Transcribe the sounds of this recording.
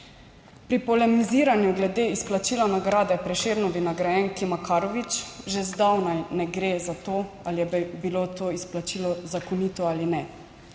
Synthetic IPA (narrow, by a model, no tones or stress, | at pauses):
pɾipɔlɛmiziːɾanjuɡlɛd̪eːisplat͡ʃiːlanaɡɾaːd̪ɛpɾɛʃeːɾnɔʋinaɡɾajɛŋkimakaːɾɔʋit͡ʃʒɛzd̪awnajnɛɡɾezat̪oː | alijɛbiloːt̪oːisplat͡ʃiːlɔzakɔniːt̪ɔaːlinɛ